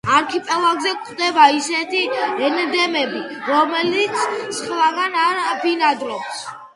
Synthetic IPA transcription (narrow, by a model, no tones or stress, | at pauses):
aɾkʰipʼɛlˠaɡzɛkʰχd̪ɛbaisɛt̪ʰiɛnd̪ɛmɛbiɾɔmɛlit̪sʰsχlˠaɡanaɾpinad̪ɾɔps